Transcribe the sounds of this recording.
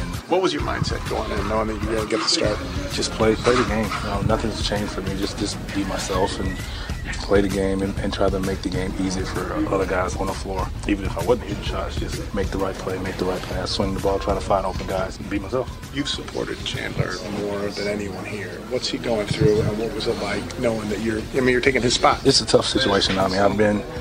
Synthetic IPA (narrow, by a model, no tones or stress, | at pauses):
wʌt̚wʌzjə˞mã̰ɪ̃nd̥sɛ̰t̚ɡ̥oʊɪ̃ŋɨ̃nːoʊamĩjɨɡʌ̃nɨɡɛt̪̚ə̥stɑɹt̚d̥ʒ̥ʌspʰl̥eɪpʰl̥eɪðɨɡẽɪ̃mjɨnoʊnʌθɪ̃ŋz̥t͡ʃʰẽɪ̃nʒ̥fə˞mid͡ʒʌsd̥ʒ̥ʌs | b̥imaɪsɛlˠfɨ̃n | pʰl̥eɪðɨɡẽɪ̃mɨ̃nɨ̃ntʰɹ̥aɪɾɨmeɪk̚ðɨɡẽɪ̃mizifə˞ʔʌðə˞ɡaɪzn̩əflɔɹ | ivɨ̃nɨfaɪwʊdⁿn̩ʔhiɹðɨʃɑtsd̥ʒ̥ʌsmeɪk̚ðəɹaɪt̚pʰl̥eɪmeɪk̚ðəɹaɪt̚pʰl̥eɪḁswɪ̃ŋðəbɔlˠtʰɹ̥aɪɪ̃ŋtʰəfãɪ̃ndoʊpɨ̃n̩ɡaɪz̥n̩bimaɪsɛlˠf | jʉv̥səpʰɔ̰ɹɾɨ̰d̚t͡ʃʰæ̰̃ndlə̰˞mɔɹðɨ̃nɛniwʌ̃nhiɹ | wʌtshiɡoʊɪ̃ŋθɹʉɨ̃nwʌt̚wʌzɨtˡlaɪknoʊɪ̃ŋðɨt͡ʃə˞aɪmĩnjə˞tʰeɪkɪ̃ŋɨz̥spɑt̚ðɨtsətʰʌfsɪt͡ʃueɪʃɨ̃namĩaɪvbɪ̃n